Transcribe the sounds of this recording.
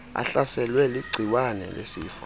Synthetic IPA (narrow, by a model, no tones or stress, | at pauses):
a̰ɬasɛlwɛliɡ͡ǀʱiwanɛ̰lḛsiːfḁ